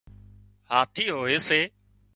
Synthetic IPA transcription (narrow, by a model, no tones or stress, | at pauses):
haːt̪ʰiːɦoːeːseː